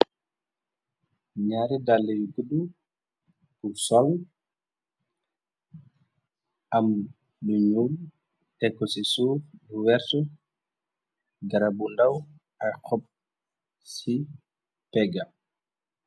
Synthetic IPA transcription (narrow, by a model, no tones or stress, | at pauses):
ɲaɾidalːɛjuɡudu | b̥usɔl | ʔam | buɲul | ɛkːɔsisuːbuwɛɾtɔ | ɡaɾabundaw | ajxɔp̚ | si | pɛɡa